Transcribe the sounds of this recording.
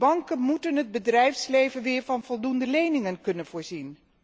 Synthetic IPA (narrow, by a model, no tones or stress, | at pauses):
bɑŋkənmutənɦəd̚bədrɛjfslejvənʋɪːɹvɑnvɔlˠdundəlejnɪŋənkɵnənv̥ʊːɹzin